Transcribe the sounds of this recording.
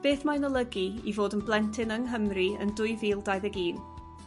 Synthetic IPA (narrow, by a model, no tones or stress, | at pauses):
b̥eːθmajnɔlˠəɡiivoːdənblˠɛntʰɪnəŋɦəmriə̰ndʊɨviːlˠdajðəɡiːn